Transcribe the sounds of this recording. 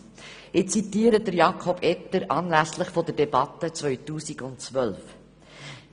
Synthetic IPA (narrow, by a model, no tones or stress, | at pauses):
ʔɪt͡sitiːəɾədəɾjɑkʰɔb̥ɛtːəɾʔɑːnlæslɪχfodəɾdɛbɑtət͡svœʏtuːsiɡʊntt͡svœlf